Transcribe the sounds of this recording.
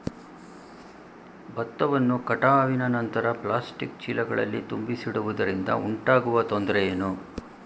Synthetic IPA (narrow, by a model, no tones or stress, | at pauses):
bɐt̪ːɐʋɐnːukɐʈaːʋinɐnɐnt̪ɐɾɐplaːsʈikt͡ʃilɐɡɐɭɐ̰lːit̪umbisiɽuʋud̪ɐɾind̪ɐ̰uɳʈaːɡuʋɐt̪ond̪ɾɛjeːnu